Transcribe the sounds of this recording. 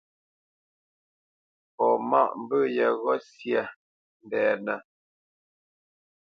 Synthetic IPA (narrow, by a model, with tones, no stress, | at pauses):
pɔ˨ma˦ʔm̩˦bə˦jɛ˨ɣɔ˦sjə˦˨ | n̩˨dɛː˨nə˨